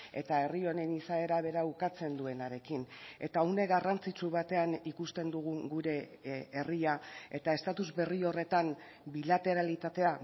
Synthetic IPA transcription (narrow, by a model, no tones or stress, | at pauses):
e̞̰t̪ae̞rio̞ne̞nisae̞ɾaβe̞ɾaukat͡se̞nd̪ue̞naɾe̞kine̞̰t̪aune̞ɣarant͡sit͡suβat̪e̞anikust̪e̞nd̪uɣ̞uɡuɾe̞ːriae̞t̪ae̞st̪at̪uzβe̞rio̞re̞t̪am | bilat̪e̞ɾalit̪at̪e̞a